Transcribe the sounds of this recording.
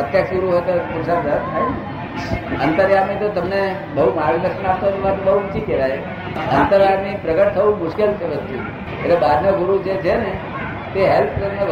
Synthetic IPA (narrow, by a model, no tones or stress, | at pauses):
ət̪jəksɡuɾuɦojt̪opuɾsaəɾt̪t̪ʰajne | ənt̪əɾjamit̪ot̪əmne | bəɦumalud̪əkʃənap̚t̪oniʋat̪bəɦuut͡ʃikɛɾaj | ənt̪əɾaɾnipɾəɡəʈ̚t̪ʰəʋũmʊʃkelt͡ʃʰeʋəst̪u | ḛʈlebad̪ʱneɡʊɾud͡ʒet͡ʃʰene | t̪eɦelpʰt̪əmne